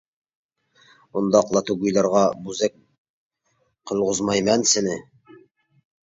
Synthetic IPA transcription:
und̪ɑːqlˠɑt̪uɡujlˠɑɾʁɑbʉzæk̚ | qŏlˠʁozmɑjmænsɘ̆nɘ

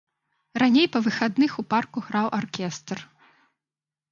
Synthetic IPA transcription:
ranʲejpɐvɨxad̪nɨxuparkuɣɾawʔarkʲɛst̪r

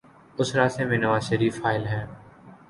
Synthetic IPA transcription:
ʊsɾaːsẽːmẽːnəʋaːzʃəɾiːffaːɪlɦɛ̃ː

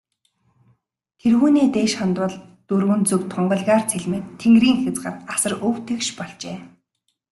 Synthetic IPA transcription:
t̪ʰerxuːniːt̪eːʃχant̪wə̆ɮt̪ɵrɣɵ̆nt͡sɵkt̪ʰɔɴɢɞ̆ɮʁaːr̥t͡sʰeɮmĕːtt̪ʰːeŋɡriːŋxʲĕt͡sɢə̰̆rt̪asə̆rɵw̥t̪ʰĕkʃpɔɮt͡ɕeː

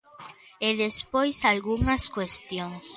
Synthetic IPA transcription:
eðespojsalɣuŋɐskwest̪joŋs

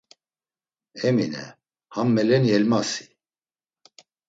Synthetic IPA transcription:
ɛminɛ̰ | hamːɛlɛnjɛlmasi̥

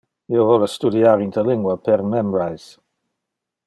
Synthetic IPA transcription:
jovɔlˠəstudiaɾɪntʰəlɪŋɡwəpʰɛrmɛmɹajz̥

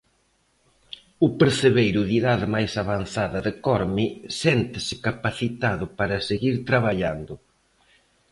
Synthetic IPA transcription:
ʊpeɾθeβejɾʊðiðaðɪmajsaβan̟θaðɐðɪkɔɾmisɛnt̪ɪsɪ̥kapaθit̪aðʊpaɾɐseɣiɾt̪ɾaβ̞aʎand̪ʊ

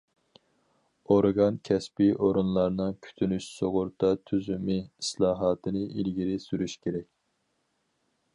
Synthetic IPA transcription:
oɾɡɑnkʲʰɛspɪʔoɾunlˠɑɾnɨŋkʲʰy̥t̪ʰynyʃsoʁʊɾt̪ʰɑt̪ʰyzymɪislˠɑːɦɑt̪ʰɨnɨʔilɡʲiɾɪsyɾyʃkʲʰeɾɛkʲ

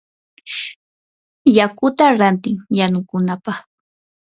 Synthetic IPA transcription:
jakʊt̪aɾant̪ɪŋjanʊkʊnapɑχ

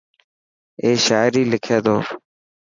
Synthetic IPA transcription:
eːʃaːɪɾiːlɪkʰeːd̪oː

